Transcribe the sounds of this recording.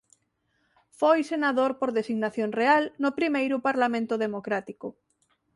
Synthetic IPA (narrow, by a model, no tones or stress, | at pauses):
fojsenaðoɾpoɾðesiɣnaθjoŋrealnʊpɾimejɾʊpaɾlamẽnt̪ʊðemokɾat̪ikʊ